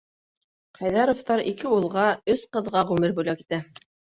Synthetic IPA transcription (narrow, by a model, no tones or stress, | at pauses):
qɑjðɑɾoft̪ɑɾikɘulˠʁɑɵsqɤ̆ðʁɑʁʉmɘɾbʉjlæki̥t̪æ